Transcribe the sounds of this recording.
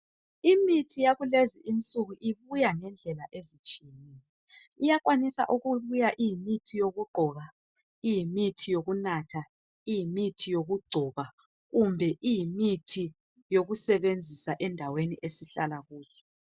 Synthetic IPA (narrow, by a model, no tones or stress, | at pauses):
imitʰijaɣuleziʔint͡sʼuɣuʔiβujaŋɛnd͡ɮʱɛlaʔezit͡ʃʼiɛnɛjɔ | ijakʼwanisa̰ʔuɣuβujaʔijimitʰijoɣuɡ͡ǃʱɔːɣa | ijimitʰijoɣunatʰa | ijimitʰijoɣuɡ͡ǀʱɔβa | ɣumbʱɛʔijimitʰi | joɣusɛβend͡zʱisaʔɛndʱaweniʔesiɬalaɣuːzɔ